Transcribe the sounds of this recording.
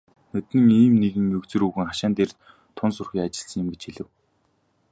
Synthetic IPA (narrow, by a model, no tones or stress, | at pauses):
nɵt̪nɘ̆ŋiːmneɣɘ̆ŋːɵkt͡sɘ̆ɾuːɣɘ̆ŋχaʃaːnt̪eːr | t̪ʰʊnsɵrxʲiːŋat͡ɕɪ̆ɬsə̆ŋjɪ̆mɡet͡ɕxiɮɘ̆w